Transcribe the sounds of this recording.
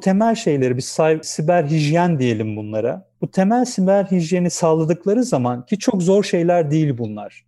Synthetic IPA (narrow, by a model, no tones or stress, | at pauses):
t̪ʰe̞mælʲʃe̞jlʲe̞ɾibisajsibæɾʲɦiʒjænd̪ije̞lʲimbunlˠaɾa̰but̪ʰe̞mælʲsibæɾʲɦiʒjenisaːlˠad̪ɯklˠaɾɯzamancʰit͡ʃʰo̞kzo̞ɾʃe̞jlʲæɾd̪ijilʲbunlˠaɾ̥